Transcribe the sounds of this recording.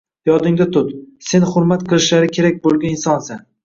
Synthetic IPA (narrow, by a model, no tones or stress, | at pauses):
jɒd̪ɪŋd̪at̪ʰʊt̪se̞nχʊɾmat̪qɨlˠɪʃlaɾɪkʲʰe̞ɾak̚ʲbolˠɡʲanɪnsɒnsan